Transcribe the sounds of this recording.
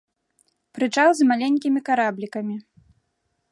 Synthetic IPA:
pɾɨt͡ʂawzmalʲenʲkʲimʲikaɾablʲikɐmʲi

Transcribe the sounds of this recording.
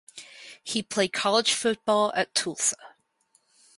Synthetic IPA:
hipʰl̥eɪd̚kʰɒlˠɪd̥ʒ̥fʊʔ̚b̥ɔlˠə̰tʰulˠsə

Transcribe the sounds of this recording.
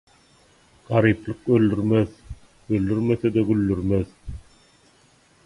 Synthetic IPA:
ɢ̥ɑɾiplˠɯqøld̪yɾmeð | øld̪yɾmeθed̪æɡylːyɾmeð

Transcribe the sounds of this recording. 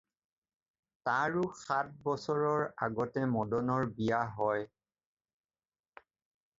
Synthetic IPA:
tãɹʊxat̚bɔsɔɹɔɹaɡɔtɛmɔdɔnɔɹbijaɦɔj

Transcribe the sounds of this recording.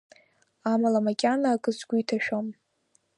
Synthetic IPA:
amalamakʲʼanaːkʼɨsʼɡʷuitʰaʃᶣom

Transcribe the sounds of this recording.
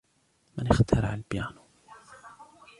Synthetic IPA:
mɪnɪxt̪ʰɑɾˤɑʕalbjaːn

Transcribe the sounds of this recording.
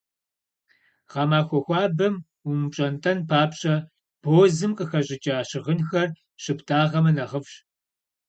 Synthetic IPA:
ʁɑːmaːxʷɔxʷɑːbɐm | umɕʼɐntʼʰɐnpʰaːpɕʼɐ | b̥oːzɨmqʼəxɐʑʼɪt͡ʃʼaːɕɪʁənxɐr | ɕɨptʰaːʁɐmɐnɐʁəfɕ

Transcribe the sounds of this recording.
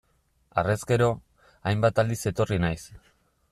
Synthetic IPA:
a̰re̞ske̞ɾo̞ | ajmbat̪ald̪ise̞t̪o̞rinajs

